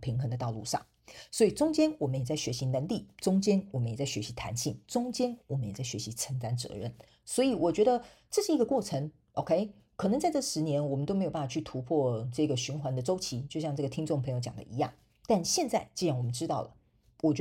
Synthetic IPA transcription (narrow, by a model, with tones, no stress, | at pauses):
pʰi˧˥ŋxɤ˧˥ŋd̪ə˧t̪ɑ˥˧ʊlṵ˥˧ʂɑ̰˥˩ŋ | swɔ˧˥i˨˩ʈ͡ʂʊ˥ŋt͡ɕjɛ˥nwɔ˨˩mə˦njɛ˨˩t͡sa˥˩ɪɕɥɛ˧˥ɕi˧˥na˧˥nli˥˨˩ʈ͡ʂʊ˥ŋt͡ɕjɛ˥nwɔ˨˩mə˦njɛ˨˩t͡sa˥˩ɪɕɥɛ˧˥ɕi˧˥t̪ʰa̰˧˥nɕḭ˥˩ŋʈ͡ʂʊ˥ŋt͡ɕjɛ˥nwɔ˨˩mə˦njɛ˨˩t͡sa˥˩ɪɕɥɛ̰˧˥ɕi˧˥t͡sʰə˧˥ŋt̪a˥nt͡sɤ̰˧˥ɻə̰˥˩n | swɔ˧˥i˨˩wɔ˨˩t͡ɕɥɛ˧˥d̪ə˧ | ʈ͡ʂɤ˥˧ʂɻ̩˥˩i˧˥ɡə˧kwɔ˥˩ʈ͡ʂʰə˧˥ŋ | ʔo˥ʊkʰe˥ɪ | kʰɤ˨˩nə˧˦ŋt͡sa˥˧ɪʈ͡ʂɤ˥˩ʂɻ̩˧˥njɛ˧˥nwɔ˨˩mənt̪o˥me˧˥jo˨˩a˥˩fa˨˩t͡ɕʰy˥˩t̪ʰu˧˥pʰwɔ˥˧ʈ͡ʂɤ˥˩ɡə˩ɕy˧˥nxwa˧˥nd̪ə˧ʈ͡ʂo˥ʊt͡ɕʰi˧˥t͡ɕjo˧ʊɕjɑ˥˧ŋʈ͡ʂɤ˥˩ɡə˨t̪ʰi˥ŋʈ͡ʂʊ˥˩ŋpʰɤ˧˥ŋjo˧ʊt͡ɕjɑ̰˨˩ŋd̪ə̰˦ḭ˧˥jɑ̰˥˩ŋ | t̪a˥˧nɕjɛ˥˧nt͡sa˥˧ɪt͡ɕi˥˧ɑ˥˩ŋwɔ˨˩ə˦nʈ͡ʂɻ̩˥t̪ɑ˥˩ʊlə̰˩ | wɔ˨˩t͡ɕɥɛ˧